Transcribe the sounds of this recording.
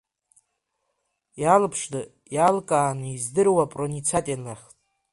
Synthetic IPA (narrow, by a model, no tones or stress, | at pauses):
jalɨpʰʂdɨ | jalkʼaːnizdɨrwapʼronit͡sʰatʼianaχʲtʼ